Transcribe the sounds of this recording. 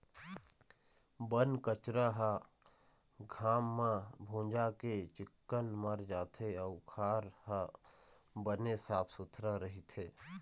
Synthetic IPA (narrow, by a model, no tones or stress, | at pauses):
bənkət͡ʃɾaɦa | ɡʱaːmːãbʱõːd͡ʒaket͡ʃɪkːənməɾd͡ʒaːt̪ʰeəʊkʰaːɾha | bənesaːpʰsʊt̪ʰɾaɾəɦit̪ʰeː